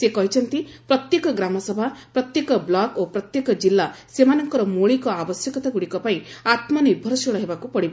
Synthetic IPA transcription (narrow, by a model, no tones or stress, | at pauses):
sekɔɦit͡ʃʰɔnt̪ipɾɔt̪jekɔɡɾamɔsɔbʱapɾɔt̪jekɔblakopɾɔt̪jekɔd͡ʒilːasemanɔŋkɔɾɔmoɭikɔabɔsjɔkɔt̪aɡuɽikɔpaĩat̪mɔniɾbʱɔɾɔsoɭɔɦebakupɔɽiba